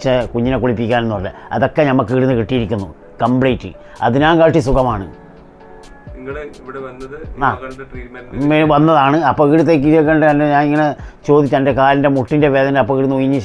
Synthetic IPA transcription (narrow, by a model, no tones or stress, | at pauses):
t͡ɕːɐkuɲːinekːuɭipːikʲːaːnenːuʋɐlːɐ̰ɐ̰ðo̞kːenɐmːɐkːɨɽunːɨkiʈːijiɾikʲːunːu | kɐmblejtːɨ̰ | ɐ̰ðɨɲaːnkaːʈːisukɐmaːɳɨ̰ | ŋːɐɽeʋiɽeɐnːɐðɨaːɐɖɐʈriːmeʋɐnːɐðaːɳɨɐpːoːiːɽut̪̬ːeːk̬ːiʋɐk̬ːeɳɖɨɐndeɲaːniŋːɐne̞t͡ɕo̞ːd̪it͡ɕːɐnde̞kaːlinde̞muʈːinde̞ʋe̞ːðɐnɐpːoiːɽunːujiɲːɨ